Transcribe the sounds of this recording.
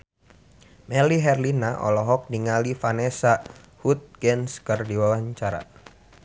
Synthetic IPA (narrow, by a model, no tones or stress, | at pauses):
mɛliɦɛrlinaʔɔ̰lɔɦɔk̚niŋalifanɛsa | hut̪̚ɡɛnskɨrdiwawaɲt͡ʃaɾa̰